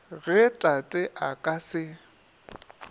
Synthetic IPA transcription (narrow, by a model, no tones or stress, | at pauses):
ɣɛtʼatʼɛʔakʼasɪ